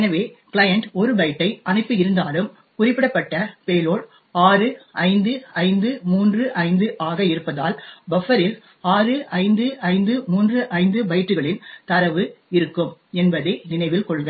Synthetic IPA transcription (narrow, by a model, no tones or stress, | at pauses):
ɛnɐʋeːkɭɐjɐɳʈɔɾɯbɐɪʈːɐɪʔɐnɪpːɯɪɾɯnd̪aːlɯm | kʊrɪpːɪɽɐpːɐʈːɐpeːloːɭ | aːrɯʔɐɪnd̪ɯɐɪnd̪ɯmuːndrɯʔɐɪnd̪ɯʔaːɣɐɪɾɯpːɐðaːlbɐfɐɾɪl | aːrɯʔɐɪnd̪ɯʔɐɪnd̪ɯmuːndrɯʔɐɪnd̪ɯbɐjɪʈrɯɣɐɭɪnt̪ɐɾɐʋɯɪɾɯkːɯmɛnbɐðɐɪnɪnɐɪʋɪlkɔɭɣɐ